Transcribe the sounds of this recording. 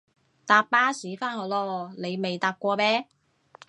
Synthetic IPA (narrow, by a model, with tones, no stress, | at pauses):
t̪aː˧p̚paː˥siː˨˥faː˥nhɔ˨˥lɔː˧le˨˧jme˨jt̪aː˧p̚kʷɔː˧mɛː˥